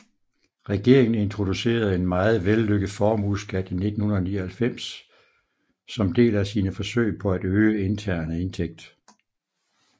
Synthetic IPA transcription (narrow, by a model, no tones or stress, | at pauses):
ʁɛɡ̥e̝ɐeŋn̩e̝nt͡sʰʁo̝d̥use̝̰ːɐð̞̩ˠe̝nmɑ̈ːð̞̩ˠʋelːøɡ̥ð̩ˠfɒːmuðˠsɡ̥æd̥ine̝d̥n̩hunɐðˠnḭːɐhælfem̰s | ɒ̽md̥e̝̰ːlæsiːnəfɒ̽sø̰ɪ̰pʰɒ̽æd̥øːəe̝nt͡sʰæɐ̰nəe̝nt͡sʰeɡ̥̚d̥